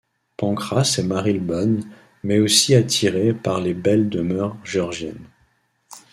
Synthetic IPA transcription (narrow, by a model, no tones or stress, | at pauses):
pɑ̃kχasemaʁilbɔn | mɛosiat̪ʰiʁepaʁlebɛld̪əmœʁʒɔʁʒjɛ̰n